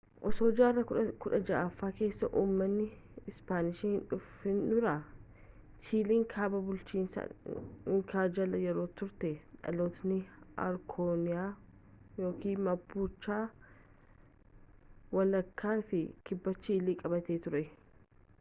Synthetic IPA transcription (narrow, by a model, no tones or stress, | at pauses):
ʔɔsoːd͡ʒaːrːɐkʊᶑɐd͡ʒɐʔaːfːaːke̞ːsːɐʔuːmːɐnːɪɪspaːnɪʃiːhɪnᶑʊfɪnᶑʊɾa | siːliːŋkʰaːbɐbʊlt͡ʃiːnsɐ̰ɪŋkʰaːd͡ʒɐlɐjɛɾo̞ːt̪ʊɾt̪ɛᶑɐ̰loːt̪nɪɐ̰ɾkʰoːnɪjaː | jo̞ːkiːmɐbːuːt͡ʃːaː | wɐlɐkʰːaːnfɪkɪbːɐt͡ʃːiːliːkʼɐbɐt̪e̞ːt̪ʊɾɛ